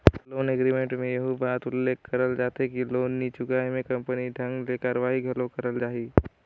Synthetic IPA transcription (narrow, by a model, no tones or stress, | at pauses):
loːnɛɡɾimẽɳʈmẽjɐɦubaːt̪ʊlːeːkkɐɾəld͡ʒaːt̪ekiloːnːit͡ʃʊɡaːɦimẽkɐ̃mpəniɖʱɐ̃ŋɡleːkaːɾəʋaːɦiɡʱɐlokɐɾəld͡ʒaːɦiː